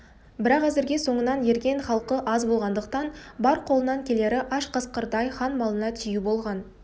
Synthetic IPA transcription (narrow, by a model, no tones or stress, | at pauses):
bɪɾɑqæzɪɾɡʲe̞so̞ɴənɑnje̞ɾɡʲe̞nχɑlˠqəʔɑzbo̞lˠʁɑnd̪əq̚t̪ɑnbɑɾqʰo̞lˠənɑŋkʲʰe̞le̞ɾɪʔɑʃqʰəsqəɾd̪ɑjχɑnmɑlˠənɑt̪ʰʏjubo̞lˠʁɑn